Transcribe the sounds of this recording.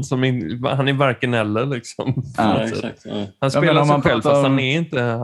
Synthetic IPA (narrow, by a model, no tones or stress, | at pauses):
sɔmɪhanæɾvæɾkənɛlːəɾlɪksɔ̰mpʰɔnɔt̪sɛ̰thanspeːlasɛɧɧɛlvfast̪hanɛɾɪnt̪ə